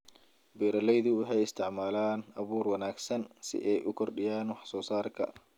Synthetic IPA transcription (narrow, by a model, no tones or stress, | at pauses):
biːɾɐlɛjðʊwʊħɛjɪst̪ʰɪʕmaːlaːnɐβuːrwɐnaːɡsɐnsɪ̰ʔɛjʔʊkʰɔrɖɪjaːnwɑħsɔːsaːrkʰɐ̰